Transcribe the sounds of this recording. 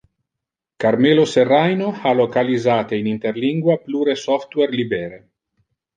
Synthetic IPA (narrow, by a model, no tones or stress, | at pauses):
kaɾmeloserːajnohalokalizaːt̪einint̪eɾliŋɡwapluɾesɔft̪weɾlibeːɾe